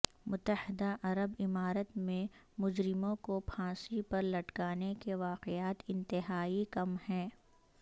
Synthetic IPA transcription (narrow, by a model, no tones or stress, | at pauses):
mʊt̪ːəhɪd̪aʔɐɾəbɪmaːɾət̪mẽ | mʊd͡ʒɾɪmõkopʰãːsipɐɾlɐʈkaːnekeʋaːqeaːt̪ɪ̃nt̪ɪɦaːikɐmhɛː